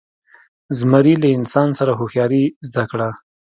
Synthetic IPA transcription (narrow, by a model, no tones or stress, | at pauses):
zmaɾilaɪnsɑnsaɾaɦoxjɑɾizd̪akɽa